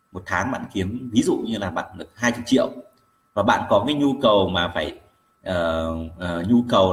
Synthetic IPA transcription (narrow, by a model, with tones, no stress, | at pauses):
mo˨˩t̚t̪ʰaː˨˦ŋɓa̰ː˧˨nxi˨˦əmvi˨˦zṵ˧˨ɲɨ˧laː˨˩ɓa̰ː˧˨nɗɨ˨˩ək̚ɦaː˧jt͡ɕə˧˩t͡ɕḭ˧˨əw | vaː˨˩ɓa̰ː˧˨nkɔ˨˦kaː˨˦jɲu˧kə˨˩wmaː˨˩faː˧˩j | ʔəː˨˩ʔəː˨˩ɲu˧kə˨˩w